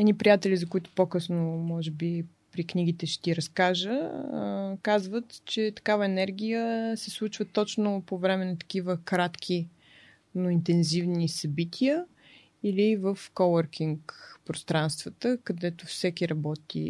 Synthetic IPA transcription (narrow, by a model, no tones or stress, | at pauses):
ɛnipɾijat̪ɛlʲizɐkʊit̪ʊ̥pokɤsnomɔʒɛbi | pɾikniɡ̟it̪ɛʃɛ̥t̪iɾɐskaʒə | kazvət̪t͡ʃɛt̪ɐ̥kavəɛnɛɾɡ̟ʲijəsɛslˠut͡ʃvət̪ɔt͡ʃnopovɾɛmɛnɐt̪ɐ̥kʲivəkɾat̪k̟ʰʲi | noint̪ɛnzivnisɐbit̪ʲʰiə | ilivəfkowəɾkʰiŋkpɾost̪ɾanst̪vət̪əkɐd̪ɛt̪ofsɛkʲiɾɐbɔt̪ḭ